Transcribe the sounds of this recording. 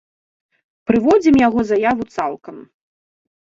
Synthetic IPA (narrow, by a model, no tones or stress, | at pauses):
pɾɨvɔd͡zʲimjaɣɔzajavut̪salˠkɐm